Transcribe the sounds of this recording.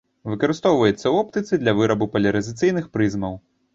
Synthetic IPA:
vɨkɐɾɨst̪ɔwvɐjɛt̪sːɐɔpt̪ɨt̪sɨd̪lʲɐvɨɾɐbupɐlʲɐɾɐzʲɨt̪sɨjnɨxpɾɨzmɐw

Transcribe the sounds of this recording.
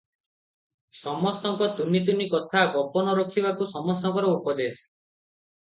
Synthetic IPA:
sɔmɔst̪ɔŋkɔt̪unːit̪̬unikɔt̪ʰaɡɔpɔnɔɾɔkʰibakusɔmɔst̪ɔŋkɔɾɔupɔd̪es

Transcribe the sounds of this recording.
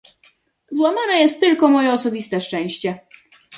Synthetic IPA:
zwamanɛjɛst̪ːɘlkɔmɔjɛɔsɔbʲist̪ɛʂt͡ʂɛ̃w̃ɕt͡ɕɛ

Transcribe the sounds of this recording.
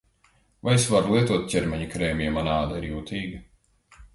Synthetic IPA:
vajsvaɾulˠiɛt̪uɔt̪̚cʲɛɾmʲɛɲukɾɛːmijɛmanaːd̪aiɾjuːt̪ʰiːɡɐ

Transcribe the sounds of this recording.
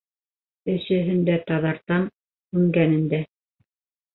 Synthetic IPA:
ɘ̆ʃɘ̆ɦɘ̆nd̪æt̪ɑðɑɾt̪ɑm | ʉŋɡænɘ̆nd̪æ

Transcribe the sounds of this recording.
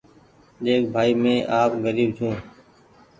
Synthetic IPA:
ɗeːk̚bʱaːiːmẽːʔaːpɡəɾiːbd͡ʒʰũː

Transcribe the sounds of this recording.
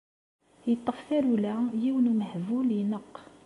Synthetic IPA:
jət̪ˤːəfθæɾulæjiwnuməhvuljnəqː

